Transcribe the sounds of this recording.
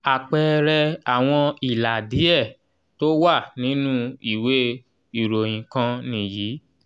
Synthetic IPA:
a˨k͡pɛ˧ɾɛ˧a˨w̃ɔ̃˧i˨la˨di˨˦ɛ˦˨ | to˦wa˦˨nĩ˨˦nũ˦i˦˨we˨˦ | i˨ɾo˨j̃ĩ˨kã˧nĩ˦˨jiː˨˦

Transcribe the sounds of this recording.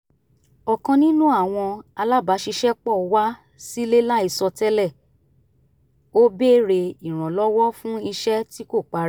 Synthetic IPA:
ɔ˨kɔ̃˧nĩ˦nũ˦a˦˨w̃ɔ̃˧a˧la˦ba˨˦ʃi˧ʃɛ˦k͡pɔ˦˨wa˦ | si˦le˦la˦i˧sɔ˧tɛ˦lɛ˦˨ | o˦be˦˨ɾe˧i˨ɾ̃ɔ̃˨lɔ˦wɔ˦fũ˦i˧ʃɛ˦ti˦ko˦˨k͡pa˨˧ɾ

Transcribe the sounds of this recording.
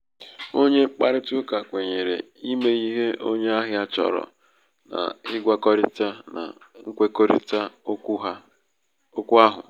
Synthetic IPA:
o˦ɲe˦k͡pa˦ɾɪ˦tʊ˦ka˨kʷe˨ɲe˨ɾe˨ | i˦me˦i˦ɦe˦ʔo˦ɲe˦a˦ɦɪ˦a˦t͡ʃɔ̰˨ɾɔ̰˨ | na̰˨ɪ˦ɡʷa˦kɔ˦ɾɪ˦ta˦na̰˨ | ŋ̩˦kʷe˦ko˦ɾɪ̰˦ta˦a˦ | o˦kʷu˦a˦ɦʊ̰˨

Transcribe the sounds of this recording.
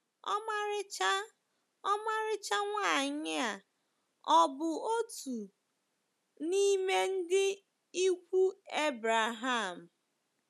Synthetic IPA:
ɔ˦ma˦ɾɪ˦t͡ʃa˦ | ɔ˦ma˦ɾɪ˦t͡ʃa˦ŋʷa˦˨ɲɪ˦a˨ | ɔ˦bʊ˨o˦tu˨ | ni˦me˦n̩˦dɪ˦ | i˦kʷu˦e˦bɾa˨ɦa˦˨m̩˨

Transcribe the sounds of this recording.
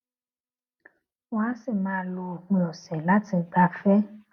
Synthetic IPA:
wã˦si˦˨mãː˨˦˧lo˧˨ũ˧lɔ̃˨sɛ˨la˦ti˧ɡ͡ba˧fɛ˦

